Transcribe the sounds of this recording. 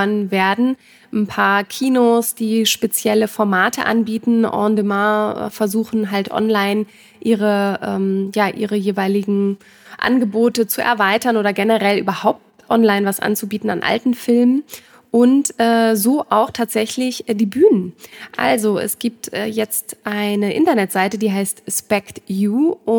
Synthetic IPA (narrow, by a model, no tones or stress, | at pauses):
nnveːɐdn̩ | n̩pʰaːɐkʰiːnoːsd̥iːʃpet͡sjɛləfɔɐmaːtʰəʔa̰nbiːtn̩ʔɔ̰ːndəma̰ːfɛɐzuːxn̩ɦaltʔɔ̰nlaɪn | ʔiːʁ̞əʔɛːmjaːʔḭːʁəjeːvaɪlɪɡŋ̩ | ʔa̰nɡəboːtət͡suʔɛ̰ɐvaɪtɐnoːɾɐɡɛnəʁɛlʔyːbɐhaʊp̚t | ʔɔnlaɪnvasʔa̰nt͡subiːtn̩a̰nʔa̰ltn̩fɪlmən | ʔʊntʔɛːzoːʔaʊxtʰaːtz̥ɛçlɪçdiːbyːnənʔa̰lzoʔɛ̰sɡ̥iːp̚tʔɛːjɛt͡stʔaɪnəʔɪ̰ntɐnɛtz̥aɪtədiːɦaɪstspɛktjuːʊ